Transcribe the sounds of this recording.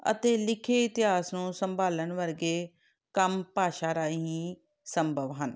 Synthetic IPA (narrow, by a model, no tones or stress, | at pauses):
ə̰t̪eːlɪkʰeːɪt̪ɪɦaːsnũːsəmbaːlənʋəɾɡeː | kəmpaːʃaːɾaːiɦĩː | səmbʱəʋɦən